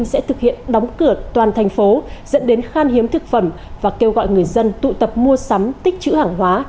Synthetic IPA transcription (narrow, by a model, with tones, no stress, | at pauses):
ŋsɛ̰˧˥t̪ʰɨ˨˩k̚hḭ˧˨ənɗɔ˨˦wŋ͡mkɨ˧˩ət̪waː˨˩nt̪ʰa˨˩jŋ̟fo˨˦zə̰˧˥nɗe˨˦nxaː˧nhi˨˦əmt̪ʰɨ˨˩k̚fə˧˩m | vaː˨˩ke˧wɣɔ̰˧˨jŋɨ˨˩əjzə˧nt̪ṵ˧˨t̪ə˨˩p̚mu˧əsa˨˦mt̪ï˦˥k̟̚t͡ɕɨ̰˧˥haː˧˩ŋɦwaː˨˦